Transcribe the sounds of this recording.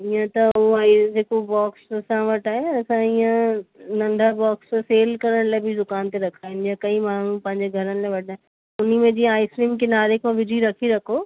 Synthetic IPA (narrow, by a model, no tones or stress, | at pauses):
iə̃t̪ɐuaːid͡ʑeːkobaːkssãʋɐʈaːɦeɐsãiːə̃nɐ̃nɖʱabɔːksseːlkɐɾəɽ̃laːɪbʱɪd̪ʊkaːnt̪eɾɐkʰaːɦɪnɪjakɐĩmaːɳ̤upɐ̃ɦɪ̃ɲd͡ʑeɡʱɐɾənɪ̆laːʋɐʈaːɦ | ʊnimẽd͡ʑĩːaːɪsɾĩːmkʰenaːɾɪkmãʋɪd͡ʑiɾɐkʰiɾɐkʰoː